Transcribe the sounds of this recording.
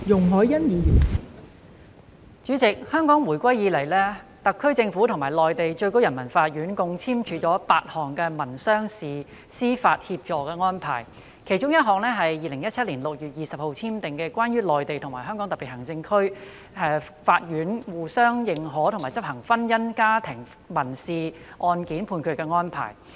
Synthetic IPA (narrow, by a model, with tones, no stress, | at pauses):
jʊ˨˩ŋɦɔː˨˥jjɐ˥njiː˨˧jyː˨˩n | t͡ʃyː˨˥t͡sɪ˨k̚hœː˥ŋkɔː˨˥ŋwuː˨˩jkʷwɐ˥jjiː˨˧lɐ˨˩jlɛː˥t̪ɐ˨kʰːɵ˥ɥt͡sɪ˧ŋfu˨˥t̪ʰʊ˨˩ŋmaː˨˩jlɔː˨jt̪e˨jt͡ʃɵ˧ɥko˥wjɐ˨˩nmɐ˨˩nfaː˧t̚jyː˨˥nkʊ˧ŋt͡sʰiː˥mt͡ʃʰyː˨˧˥t͡sɔː˨˥paː˧t̚hɔː˨˩ŋkɛː˧mɐ˨˩nsœː˥ŋsiː˨ | siː˥faː˧t̚hi˧p̚t͡ʃɔː˨kɛː˧ŋɔː˥npʰa̰ː˨˩j | kʰe˨˩jt͡ʃʊ˥ŋjɐ˥t̚ɦɔː˨˩ŋlɛː˥ɦɐ˨jːiː˨lɪ˨˩ŋjɐ˥t̚t͡sʰɐ˥liː˨˩nlʊ˨k̚jyː˨t̚jiː˨sɐ˨p̚ho˨wt͡sʰiː˥mt̪ɪ˨ŋkɛː˧kwʷaː˥njyː˥lɔː˨jt̪e˨jt̪ʰʊ˨˩ŋmaː˨˩ɦœː˥ŋkɔ˨˥ŋt̪ɐ˨˩pi˨thɦɐ˨˩ŋt͡sɪ˧ŋkʰɵ˥ɥ | ɛː˨˧ | faː˧t̚jyː˨˥nwuː˨˩sœː˥ŋjɪ˨ŋɦɔː˨˥t̪ʰʊ˨˩ŋmaː˨˩t͡sɐ˥p̚hɐ˨˩ŋfɐ˥njɐ˥nkaː˥t̪ʰɪ˨˩ŋ | mɐ˨˩nsiː˨ʔɔː˧nkiː˨˥npʰuː˧nkʰɵ˨˧kɛː˧ŋɔː˥npʰa̰ː˨˩j